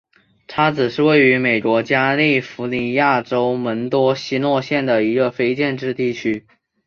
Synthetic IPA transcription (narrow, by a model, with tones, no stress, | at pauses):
ʈ͡ʂʰa˥t͡sɹ̩˨˩ʂɻ̩˥˧we˥˩ɪy˧˥me˨˩ɪkwɔ˧˥t͡ɕja˥li˥˩fu˧˥ni˧˥ja˥˩ʈ͡ʂo˥ʊmə˧˥nt̪wɔ˥ɕi˥nwɔ˥˧ɕjɛ˥˩nd̪ə˩i˧˥ɡə˧fe˥ɪt͡ɕjɛ˥˧nʈ͡ʂɻ̩˥˧t̪i˥˩t͡ɕʰy˥